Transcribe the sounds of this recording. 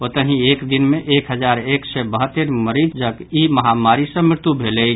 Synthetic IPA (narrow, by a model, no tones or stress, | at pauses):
ot̪əɦieːkd̪ɪnmẽʔeːkɦəd͡ʒaːɾeːksɛbəɦət̪ːəɾməɾiːd͡ʒd͡ʒəɡimɐɦamaːɾisə̃mɪɾt̪ubʱeːlei